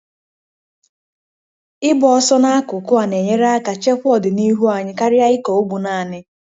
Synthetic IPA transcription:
ɪ˦bɔ˨ɔ˦sɔ˦na˦a˦kʊ˨kʊ˦a˨ne˨ɲe˦ɾa˦ka˨t͡ʃe˦kʷʊ˦ɔ˦dɪ˨ni˦ɦu˦a˨ɲɪ˦ka˦ɾɪ˦a˦ɪ˦ko˨o˦ɡ͡bu˨na˨nɪ˦

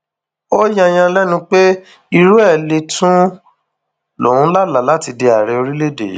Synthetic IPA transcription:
o˦jã˦j̃ã˧lɛ˦nũ˧k͡pe˦ | i˧ɾu˦ɛ˦˨le˧tũ˦ | lo̰˨ũ˦la˦la˨˦la˦ti˧de˧a˨ɾe˧o˧ɾi˦le˦˨dḛ˨

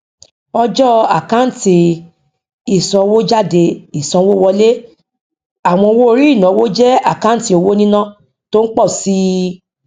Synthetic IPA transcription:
ɔ˧d͡ʒɔ˦a̰˨ka˦n̩˦ti˧ | i˨sɔ̃˧wo˦d͡ʒa˦˨de˧i˨sɔ̃˨˧˦wo˦wɔ˧le˦ | a˨w̃ɔ̃˧o˧wo˦o˧ɾi˦i˦˨nã˨˦wo˦d͡ʒɛ˦a˦˨ka˦ti˧o˧wo˦nĩ˦nã˦ | to˦n̩˦k͡pɔ˦˨si˦

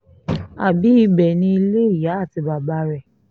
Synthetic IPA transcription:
a˨bi˨˦i˧˦bɛ˨nĩ˧i˧le˦i˦˨ja˨˦a˦˨ti˧ba˨ba˧˦ɾɛ˨

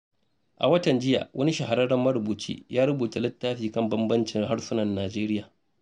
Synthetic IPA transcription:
ʔa̰˨wɐ˦tɐ˨nd͡ʒɪ˦ja̰ː˨wʔɐ˦ni˦ʃɐ˨ɦa˨ɾɐ˦ɽɐ˦mɐ˦ɾʊ˨buː˨t͡ʃḭː˦jaː˦ɽʊ˦buː˨ta˨lɪ˦tːaː˦ɸiː˨kɐ˦˨mbɐ˦mbɐ˦nt͡ʃɪ˨ŋha˦ɽsʊ˦nɐ˨nːaː˨d͡ʒeː˦ɾɪ˦jaː˨

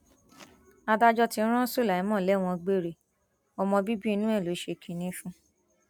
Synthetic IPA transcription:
a˧da˧d͡ʒɔ˧ti˧˦ɾ̃ɔ̃˦so˦˨la˨i˨˦mɔ̃˦˨lɛ˨˦w̃ɔ̃˧ɡ͡be˦˨ɾe˨ | ɔ˧mɔ̃˧bi˦bi˦i˧nũ˦ɛ˦˨lo˨˦ʃe˧kʰĩ˨nĩ˧˦fũ˧

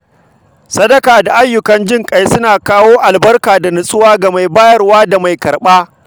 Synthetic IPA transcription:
sɐ˦dɐ˦kaː˨da˨ʔa˦jːʊ˨kɐ˦nd͡ʒɪ˦ŋkʼa˦jsʊ˦naː˨kaː˦woː˦ʔa˨lbɐ˦rkaː˨da˨nʊ˨sʼʊ˦waː˦ɡa˨ma˨jbaː˦jɐ˦rwaː˦da˨ma˨jkɐ˨rɓaː˦

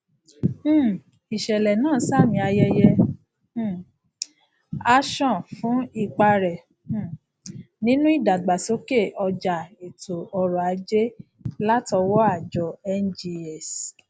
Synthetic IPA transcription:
i˨ʃɛ˨lɛ˨nãː˦˨˦sa˦˨mĩ˧a˧jɛ˧jɛ̃˧˦˨ | a˧ʃɔ̃˦˨fũ˨˦i˦˨k͡pa˧ɾɛ˨˦˨ | nĩ˦nũ˦i˦˨da˨ɡ͡ba˨so˨˦ke˦˨ɔ˧d͡ʒa˨e˨to˨ɔ˧ɾɔ˨a˨˦d͡ʒe˦ | la˦tɔ˧wɔ˦a˦˨d͡ʒɔ˨ɛ˦nd͡ʒi˧ɛ˨s

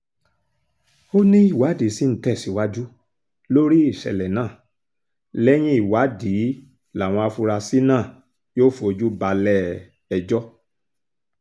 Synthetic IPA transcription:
o˦nĩ˦i˦˨wa˨˦di˨˦si˦n̩˦tɛ˦˨si˨˦wa˦d͡ʒu˦ | lo˦ɾi˦i˦˨ʃɛ̰˨lɛ˨nãː˦˨ | lɛ˦j̃ĩ˦i˦˨wa˨˦di˨˦ | la˨w̃ɔ̃˧a˧fu˧ɾa˧si˦nã˦˨ | joː˦˨fo˧d͡ʒu˦ba˧lɛ˦˨ | ɛ˧d͡ʒɔ˦

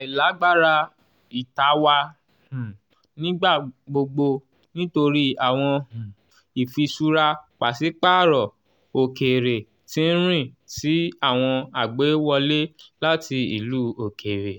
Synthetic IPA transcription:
i˨la˨˦ɡ͡ba˦ɾa˧ | i˨ta˧˦wa˧ | hũ˨ | nĩ˦ɡ͡ba˦˨ɡ͡bo˧ɡ͡bo˧ | nĩ˦to˧ɾi˦a˦˨w̃ɔ̃˧hũ˨ | i˨fi˧su˧ɾa˧k͡pa˨si˨˦k͡pa˦˨ɾɔ˨ | o˨ke˨ɾe˨ | tĩ˦n̩˦ɾ̃ĩ˦˨ti˨˦a˦˨w̃ɔ̃˧a˨ɡ͡be˨˦wɔ˧le˦la˦ti˧ḭ˨luː˦o˨kʰe˨ɾe˨

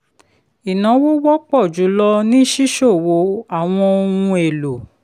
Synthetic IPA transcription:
i˨nã˨˦wo˦wɔ˦k͡pɔ˦˨d͡ʒu˨˦lɔ˦nĩ˦ʃi˦ʃo˦˨wo˧˦a˦˨w̃ɔ̃˧o˧wũ˧e˨lo˨

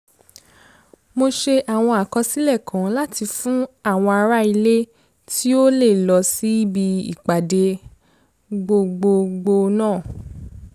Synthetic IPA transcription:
mo˧ʃe˧ʔa˨w̃ɔ̃˧a˨kɔ˧si˦lɛ˦˨kʰã˨˦la˦ti˧fũ˦a˦˨w̃ɔ̃˧a˧ɾa˦i˧le˦ | tʰi˦o˦le˦˨lɔ˧si˦i˦bi˧ḭ˨k͡pa˨de˧ | ɡ͡bo˧ɡ͡bo˧ɡ͡bo˧nãː˦˨

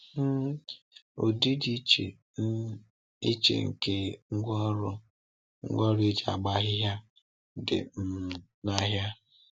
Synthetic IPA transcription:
o̰˨di˦di˦t͡ʃe˨˦ | i˦t͡ʃḛ˨ŋ̩˨ke˦ŋ̩˦ɡʷɔ˦ɾʊ˦ | ŋ̩̰˦ɡʷɔ˦ɾi˦d͡ʒa̰˨ɡ͡ba˦ɦɪ˦ɦja˦ | dɪ̰˨m̩˨ | na˦ɦja˦

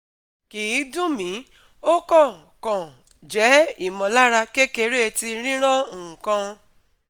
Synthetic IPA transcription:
ki˨˦dũ˦mĩ˨˦ | o˦kɔ˦˨ | kɔ̃˨ | d͡ʒɛ˨˦i˦˨mɔ̃˨la˦ɾa˧ke˦ke˧ɾe˦e˧ti˧ɾ̃ĩ˦ɾ̃ã˦˨kã˧

